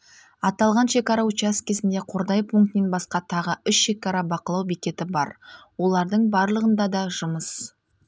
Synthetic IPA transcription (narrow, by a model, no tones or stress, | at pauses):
ɑt̪ɑlˠʁɑnʃe̞kɑɾɑut͡ʃaskʲʰezɪnd̪e̞qʰo̞ɾd̪ɑjpʰuŋkt̪me̞nbɑsqɑt̪ʰɑʁəʏsʃe̞kɑɾɑbɑqəlˠɑwbikʲe̞t̪ɪbɑ̰ɾwo̞lˠɑɾd̪əɴbɑɾlˠəʁənd̪ɑd̪ɑʒʊməs